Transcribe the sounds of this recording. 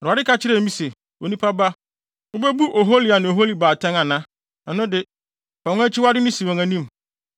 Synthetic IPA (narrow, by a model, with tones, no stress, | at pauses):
ɔ˨a˨dɪ˦ka˦t͡ɕʰɪ˦ɾɛ˨˦mĩ˦se˨ | wo˨nĩ˦pʰa˦ba˦ | ʊ˦bɛ˦bu˦ʔo˨ɦo˦li˨a˨nɪ̃˨o˨ɦo˦li˦baː˨tʰã˦ŋã˨nã˦ | ɛ˨nʊ̃˦dɪ˨ | pʰa˨˦æ˦t͡ɕʰɪ˦wa˦dɪ˦nɪ̃˦si˨wã˨ŋæ̃˨nĩ˦m˨